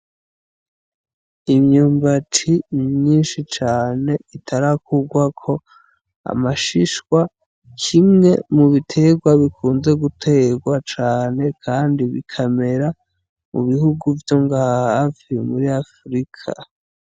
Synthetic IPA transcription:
imɲuːmbat͡ʃimɲiːnʃit͡ʃaːne̞itʰaɾakʰuɡwakʰo̞ | a̰maʃiʃkwa | kʰimŋe̞muβitʰe̞ɡwaβikʰuːnze̞ɡutʰe̞ɡwat͡ʃaːne̞kʰaːndiβḭkʰame̞ɾa | mṵβihuɡuvjo̞ŋɡahafimuɾiafɾikʰa̰

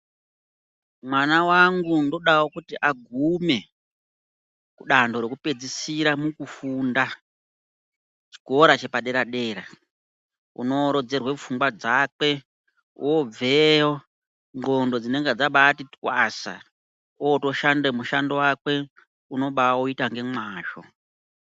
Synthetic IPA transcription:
mwanawaŋɡundo̞ɗawokutiʔaɡʱume̞ | kuɗando̞ɾe̞kupe̞d͡zisiɾamukufunda | t͡ʃi̥ko̞ɾat͡ʃe̞paɗe̞ɾaɗe̞ːɾa | ṵno̞ɾo̞d͡ze̞rwefuŋɡwad͡zakwe̞ | ṵob͡vejo | ŋɡo̞ndo̞d͡zine̞ŋɡed͡zaɓaːtitkwasa̰ | ooto̞ʃandemuʃandowakwe̞ | uno̞ɓauitaŋɡe̞mwaːʒo̞̰

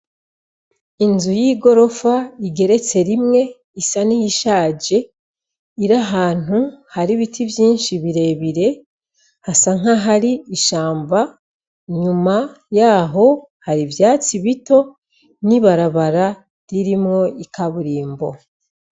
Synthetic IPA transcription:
inzujiːɡo̞ɾo̞faiɡe̞ɾe̞t͡se̞ɾimŋe̞ | isanijiʃaːɟe̞ | iɾaɦaːn̥uhaɾiβitʰivjiːnʃiβiɾe̞βiɾe̞ | hasaŋ̥aɦaɾiiʃaːmba | ɲuma | jaːɦo̞ | haɾivjaːt͡siβito̞ | niβaɾaβaɾa | ɾiɾimŋo̞ikaβuɾiːmbo̞

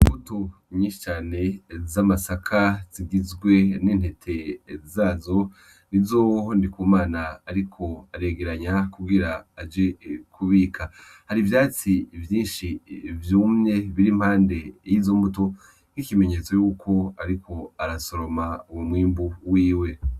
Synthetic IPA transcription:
umbutoɲiːnʃi̥t͡ʃaːne̞zamasakʰaz̥iɡizɡwe̞nin̥he̞tʰe̞zaːzo̞ | nizoːondikuːmaːnaːɾikʰo̞aɾe̞ɡeɾaɲakuɡiɾaːd͡ʒekʰuβiːkʰa | haɾivjaːt͡sivjiːnʃivjuːmɲe̞βiɾim̥haːnde̞jizo̞mbuto̞ | n̥ikime̞ɲe̞t͡so̞juːkʰo̞aɾikʰo̞aɾaso̞ɾo̞maumumwiːmbuwiːwe̞

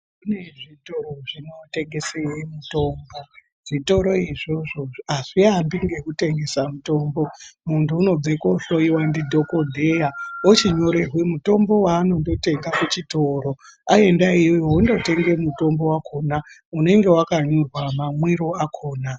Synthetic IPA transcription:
kune̞ʐito̞roʐino̞te̞ŋɡe̞sejemuto̞ːmbo̞ | ʐ̥ito̞ɾo̞iʐo̞ʐo̞aʐiambiŋɡe̞kute̞ŋɡe̞samuto̞ːmbo̞muntuːno̞d͡zekoɬoiwandidʱo̞ko̞dʱe̞jaot͡ʃiɲo̞ɾerwemuto̞mbo̞waːno̞ndo̞te̞ŋɡakut͡ʃitoɾo̞ae̞ndaijojoundo̞te̞ŋɡe̞muto̞mbo̞wakʰo̞ːnaune̞ŋɡe̞wakaɲorwamamwiɾo̞akʰo̞ːna

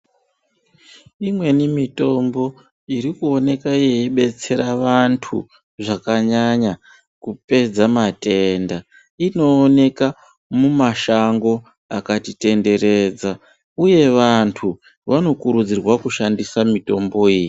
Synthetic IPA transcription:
imwe̞nimito̞mbo̞ | iɾikuo̞ne̞kaejiɓe̞t͡se̞ɾaʋantʰṵ | ʐakaɲaɲa | kupe̞d͡zamate̞nda | ino̞ːne̞ka | mumaʃaŋɡo̞ | akatite̞nde̞ɾe̞d͡za | uje̞ʋantʰu | ʋano̞kuɾud͡zirwakuʃandisamito̞mbo̞iːji

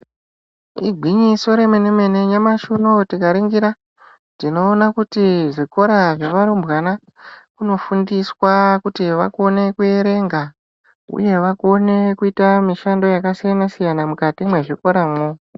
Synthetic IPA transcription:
ḭɡʱwiɲiso̞ɾe̞meneme̞ne̞ɲamaʃunotikaɾiŋɡiɾa | tino̞ːnakutiʐiko̞ɾaʐeʋaɾumbwana | kuno̞fundiswakutiʋa̰kuone̞kue̞ɾe̞ŋɡa | ṵje̞ʋakone̞kuitamiʃando̞jakasijanasijanamukatimwe̞ʐiko̞ɾamwo

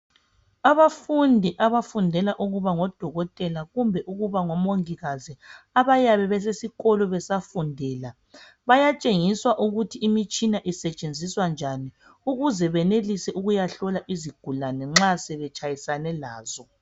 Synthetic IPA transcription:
aβafundʱiʔaβafundʱɛlaʔuɣuβaŋɔd̥ʱɔɣɔtʼɛlaɣumbʱɛʔuɣuβaŋɔmoŋiɣaziaβajaβɛβɛsesiɣɔlɔβɛsafundʱɛːla | βajat͡ʃʼeŋiswaʔuɣutʰiimit͡ʃʼinaʔisɛt͡ʃʼend͡zʱiswand͡ʒʱani | uɣuzɛβɛnelisɛʔuɣujaɬɔlaʔiziɡ̥ʱulanɛŋ͡ǁasɛβɛt͡ʃʼajisanɛlaːz̥ɔ

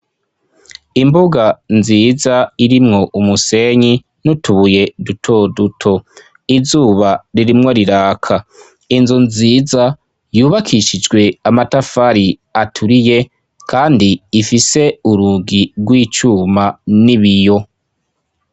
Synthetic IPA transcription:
imbuɡanziːzaiɾimŋo̞ʔumuse̞ɲi | nutuβuje̞dutʰo̞dutʰo̞ | izuːβaɾiɾimŋo̞ɾiɾaːkʰa | inzunziːza | juːβakʰiʃid͡ʒɡwe̞amatafaɾiatʰuɾije̞ | kʰaːndiːfise̞uɾuɡiɡwiːt͡ʃuːmaniβijo̞

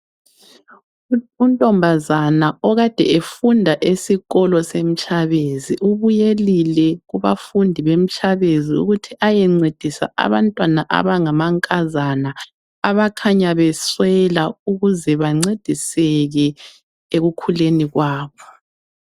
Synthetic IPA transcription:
untʼɔmbʱazanaɔɣad̥ʱɛ̰efundʱaʔesiɣɔlɔsem̩t͡ʃʰʼaβeziʔuβujelilɛɣuβa̰fundʱiβem̩t͡ʃʼaβeziṵɣutʰiʔajɛŋ͡ǀed̥ʱisa̰ʔa̰βantʼwanaʔa̰βaŋamaŋkʼazana | aβakʰaɲaβɛswɛlauɣuzɛβaŋ͡ǀed̥ʱisɛɣɛ | eɣukʰuleniɣwaːβɔ

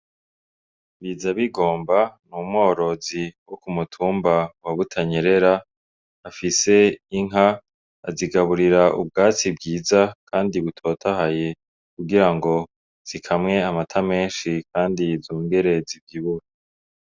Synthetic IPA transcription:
βizaβiɡo̞ːmbanumŋo̞ːɾo̞ziwokumutʰuːmbawaβutʰaɲeɾe̞ɾaː | fise̞iŋɦa̰ː | ziɡaβuɾiɾaʔṵb̚ɡaːt͡sibɡiːzakʰaːndiβutʰo̞tʰaɦaje | kuɡiɾaŋɡo̞ | z̥ikʰamŋe̞amatʰame̞ːnʃikʰaːndizuːŋɡe̞ɾe̞zibɡiβuɾe

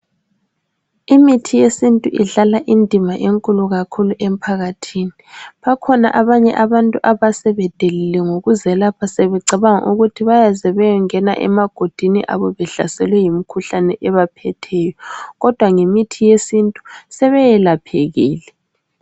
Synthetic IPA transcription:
imitʰijesintʼuʔiɮalaʔindʱimaʔeŋkʼuluɣakʰuluʔem̩pʰaɣatʰiːniβakʰɔna̰ʔaβaɲɛʔaβantʼuʔaβasɛβɛd̥ʱelilɛŋoɣuzɛlapʰaseβɛǀʱiβaŋa̰ʔuɣutʰiβajazɛβɛjɛŋɛna̰ʔɛ̰maɡ̥ʱod̥ʱinḭʔa̰βɔβɛɬa̰sɛlwɛjimikʰuɬanɛʔɛβapʰɛtʰɛjɔɣɔd̥ʱwaŋemitʰijesintʼusɛβɛjɛlapʰeɣiːlɛ

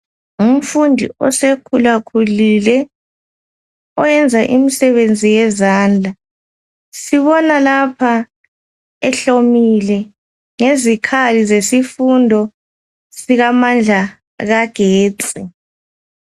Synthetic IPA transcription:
um̩fundʱḭɔ̰sekʰulakʰulilɛ | ɔjɛnd͡zʱaʔimisɛβend͡zʱijɛzaːnd͡ɮʱa | siβɔnalapʰa | ɛɬomilɛ | ŋezikʰalizesifundʱɔ | siɣamand͡ɮʱa | ɣaɡ̥ʱeːt͡sʼi

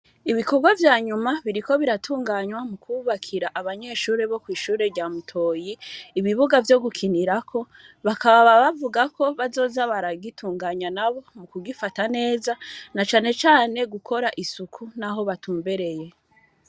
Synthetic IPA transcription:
iβikoɡwavjaːɲumaβiɾiko̞βiɾatʰuːŋɡaɲwamukʰuβakʰiɾaʔaβaɲe̞ʃuːɾe̞βo̞kwiːʃuːɾe̞ɾɟaːmutʰo̞ːjiːβiβuɡavjo̞ɡukʰiniɾakʰo̞ | βakaβaβaβavuɡakʰo̞βazo̞ːzaβaɾaɡitʰuːŋɡaːɲwanaβo̞mukuɡifatane̞ːzanat͡ʃaːne̞t͡ʃaːne̞ɡukʰo̞ɾaʔisukʰunaɦo̞βatʰuːmbe̞ɾe̞je̞

